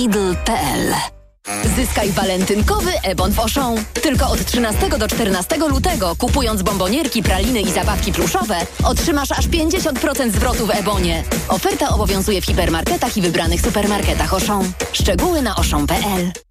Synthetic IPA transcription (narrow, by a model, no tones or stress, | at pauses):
id̪lpɛɛl | zɘskajvalɛnt̪ɘŋkɔvɘʔɛbɔnvɔʂɔ̃w̃t̪ɘlkɔɔt̪tʂɘnast̪ɛɡɔd̪ɔt͡ʂt̪ɛɾnast̪ɛɡɔlut̪ɛɡɔkupujɔnzbɔmbɔɲɛɾkʲipɾalʲinɘizabafkʲipluʂɔvɛɔtʂɘmaʂaʂpʲjeɲd͡ʑeɕɔnt̪̚pɾɔt̪sɛnd̪zvɾɔt̪uvɛbɔɲɛɔfɛɾt̪aɔbɔvʲjɔ̃w̃zujɛfxʲipɛɾmaɾkɛt̪axivɘbɾanɘxsupɛɾmaɾkɛt̪axɔʂɔ̃w̃ʂt͡ʂɛɡuwɘnaʔɔʂɔ̃w̃pɛʔɛl